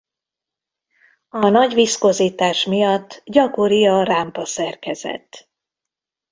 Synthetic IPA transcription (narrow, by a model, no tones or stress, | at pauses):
ɒnɒɟvisko̞ziːt̪aːʃmijɒt̪ːɟɒko̞ɾiɒraːmpɒsɛrkɛzɛ̰t̪ː